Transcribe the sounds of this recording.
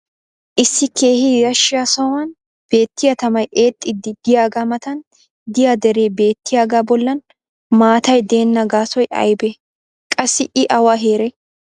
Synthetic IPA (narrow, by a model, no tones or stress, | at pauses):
ʔɪsːɪkʰe̞ːhɪjɐʃɪjasɐwɐn | b̥e̞ːt̪ːɪjɐt̪ɐmɐjʔe̞ːt̪ʼːɪd̪ːɪd̪ɪjaːɡamɐt̪ɐn | d̪ɪjaːd̪ɛɾe̞ːbe̞ːt̪ʰːɪjaːɡaːbɔlːɐn | maːt̪ɐjd̪e̞ːnːɐɡaːsɔjʔɐ̰jbɛ | kʼɐsːɪʔɪʔɐwaɦe̞ːɾɛ